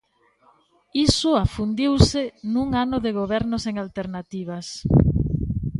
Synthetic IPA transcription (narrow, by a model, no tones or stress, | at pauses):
isʊafund̪iwsɪnuŋanʊðeɣoβ̞ɛɾnʊseŋalt̪eɾnat̪iβ̞as